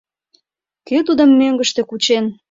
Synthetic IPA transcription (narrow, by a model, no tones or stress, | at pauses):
køt̪ud̪əmːøŋɡəʃt̪ekut͡ɕen